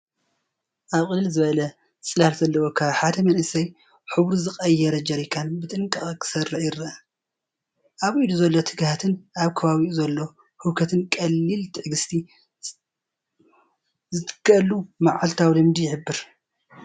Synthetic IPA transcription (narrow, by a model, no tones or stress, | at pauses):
ʔaβkʼɨlːɨlzɨβɐlɐ | t͡sʼɨlalzɐlːɐwo̞kʰaβħad̪ɐmɐnʔɨsɐj | ħɨβɾuzɨxʼɐjːɛɾɐd͡ʒɐɾikʰanbɨt̪ʼɨŋkʼɐχʼkʰɨ̥sɐrɨʕjɪrɐ | ʔaβid̪uzɐlːot̪ʰɨɡhat̪ʰɨnʔaβkʰɐβaβiʔuzɐlːo̞ | hɨβkʰɐt̪ʰɨnkʼɐlːilt̪ʰɨħɡɨst̪ʰi | zɨt̪ɨ̥kːɐlumaʕalt̪ʰawlɨmd̪ijɪħɨbːɨɾ